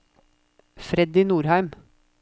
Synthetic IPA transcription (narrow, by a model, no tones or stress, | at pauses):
fɾɛd̪ɪnuːɾhæɪm